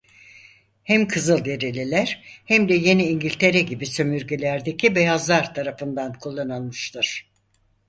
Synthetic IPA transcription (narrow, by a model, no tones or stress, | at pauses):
hæmkʰɯzɯlˠd̪e̞ɾelʲelʲæɾ̥hæmd̪ɛje̞niːɲɟilʲt̪ʰe̞ɾɛɟibisømyɾɟelʲæɾd̪e̞cʰibejazlˠaɾt̪ʰaɾafɯnd̪ankʰulˠːanɯnˠmɯʃt̪ʰɯɾ̥